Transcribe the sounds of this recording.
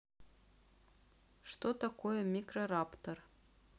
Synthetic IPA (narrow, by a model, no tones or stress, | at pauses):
ʃt̪ot̪ɑkojəmʲikrorɑpt̪or